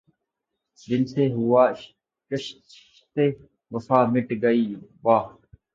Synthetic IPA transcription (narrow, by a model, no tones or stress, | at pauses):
d̪ɪnt̪eːɦʊaː | t͡ʃəʃ | ʃt̪eː | ʋəfaːmɪʈɡəiːbaː